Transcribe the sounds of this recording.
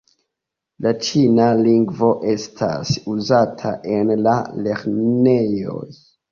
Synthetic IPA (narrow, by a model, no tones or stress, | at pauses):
lat͡ʃinaliŋɡvo̞ʔe̞stʰa̰suzatʰa̰ʔenlale̞ɾne̞jo̰j